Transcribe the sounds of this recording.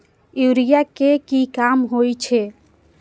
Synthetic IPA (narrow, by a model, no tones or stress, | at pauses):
juɾijakekikamɦojt͡ʃʰe